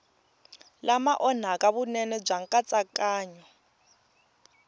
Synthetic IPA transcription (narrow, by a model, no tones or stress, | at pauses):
lamaʔɔn̤akʼaβunɛnɛb͡ʐaŋkʼat͡sʼakʼaːɲɔ